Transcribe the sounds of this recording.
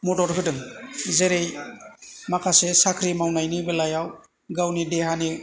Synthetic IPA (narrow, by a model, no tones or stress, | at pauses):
mudɔɾɦɯdɯŋzeɾej | makʰasesakʰɾimawnajnibelajaw | ɡawnideɦani